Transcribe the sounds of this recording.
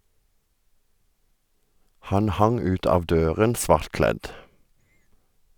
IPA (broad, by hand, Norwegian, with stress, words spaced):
ˈhɑn ˈhɑŋ ˈʉːt ˈɑːʋ ˈdøːʁən ˈsʋɑʁtˌklɛd